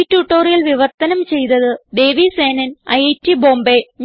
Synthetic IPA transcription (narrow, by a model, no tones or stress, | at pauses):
tːuʈːo̞ːrijɐlʋiʋɐrt̪ːɐnɐmt͡ɕe̞jt̪ɐðɨd̪e̞ːʋiseːnɐnɐjetːibo̞ːmbeɲ